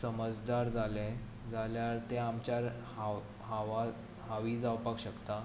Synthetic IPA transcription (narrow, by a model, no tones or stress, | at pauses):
səməd͡zd̪aɾd͡zalɛ | d͡zaljaɾt̪eamt͡ɕaɾ | ɦaʋa | ɦaʋiːd͡zawpakɕəkt̪a